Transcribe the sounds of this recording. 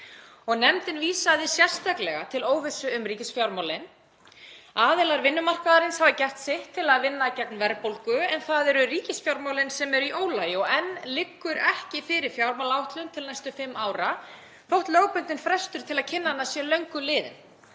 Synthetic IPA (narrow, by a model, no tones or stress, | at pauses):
ɔɣnɛmt̪ɪnviːsaðɪsjɛr̥st̪aklɛɣat̪ʰɪloːwvɪsʏʏmriːcɪsfjawɾmawlɪn | aːðɪlaɾvɪnːʏmar̥kaðaɾɪnshavacɛr̥t̪sɪht̪ʰːɪlaðvɪnːacɛknvɛɾpowlkʏɛnθaðɛɾʏriːcɪsfjawɾmawlɪnsɛmɛɾiʔoːwlaːjɪɔɣɛnːlɪkːʏɾɛhcɪfɪɾɪɾ̥fjawɾmalawht̪lʏnt̪ʰɪlnɛjst̪ʏfɪmːaːwɾa | θowht̪lœːɣpʏnt̪ɪnfɾɛst̪ʏɾ̥t̪ʰɪlaðcʰɪnːaɛnːasjɛlœɥŋkʏlɪːðɪ̰n